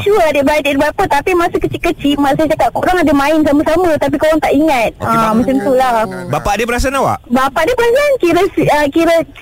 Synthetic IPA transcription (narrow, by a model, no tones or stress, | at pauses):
t͡ʃuəadəbadidbapət̪apimasukət͡ʃikət͡ʃimas̬ajat͡ʃakat̪̚koɾaŋadəmãɪnsaməsamət̪ap̬ikoɾaŋt̪aʔiŋat̪̚əmat͡ʃamt̪ulahbapaʔdepəɾas̬anawa̰ʔbapaʔdepəɾasankiɾəsiəkiɾə